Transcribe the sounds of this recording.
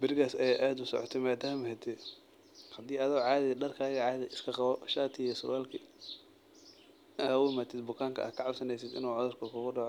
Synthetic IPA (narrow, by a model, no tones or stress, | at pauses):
bɪrkaːsɐjaːʔaːd̪ʊsɔ̰ʕɔt̪ʰɛmaːd̪aːmɐɦɛt̪ʰɛ | hɐd̪iːaːðɐwʕɑːðɪɖɐrkʰaːɣɐʕɑːðɪɪskʰɐqɑβɔʃaːt̪ʰɪjɛsʊ̰laːlkʰi | hɐwʊmaːt̪ʰɪd̪bʊkʰaːŋkʰɐ̰ʔa̰ːd̪kʰɐʕɑbsɐnɛjsɪd̪ɪ̰nuːʕɔðʊrkʰɐkʰʊɣʊɖɑʕɔ